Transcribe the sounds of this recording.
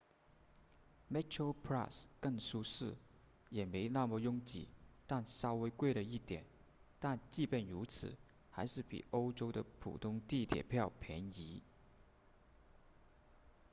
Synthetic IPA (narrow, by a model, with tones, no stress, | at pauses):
mɛ˥t͡ʃʰə˥pʰɹa˥˩skə˥˩ŋsu˥ʂɻ̩˥˩ | jɛ˨˩me˧˥ɪna˥˩mɔ˧jʊ˥ŋt͡ɕḭ˨˩t̪a˥˩nsɑ˥ʊwe˧˥ɪkwe˥˩ɪlə˩i˥˩t̪jɛ̰˨˩˦n | t̪a˥˧nt͡ɕi˥˧pjɛ˥˩nɻu˧˥t͡sʰɹ̩̰˨˩˦ | xa˧˥ɪʂɻ̩˥˩pḭ˨˩o˥ʊʈ͡ʂo˥ʊd̪ə˨pʰṵ˨˩t̪ʰʊ˥ŋt̪i˥˩t̪ʰjɛ̰˨˩pʰjɑ˥˩ʊpʰjɛ˧˥ni˧˥